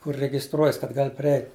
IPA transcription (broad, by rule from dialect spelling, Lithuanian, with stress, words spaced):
kʊr rʲɛɡʲɪsˈtruɔjɛs kɐt ˈɡɐlʲ pʲrʲɪˈɛɪtʲ